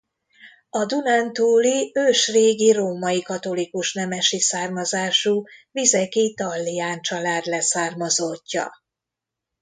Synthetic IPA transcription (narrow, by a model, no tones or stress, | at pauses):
ɒd̪unant̪uːliøːʃreːɡiroːmɒjikɒt̪o̞likuʃnɛmɛʃisaːrmɒzaːʃuvizɛkit̪ɒlːijaːnt͡ʃɒlaːd̪lɛsaːrmɒzocːɒ̰